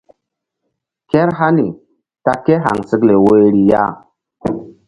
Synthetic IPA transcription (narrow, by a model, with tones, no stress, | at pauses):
ke˦ɾɦa˦ni˨ | ta˦ke˦ɦa̰˨ŋsi˦kle˨we˦ɾi˨ja̰˦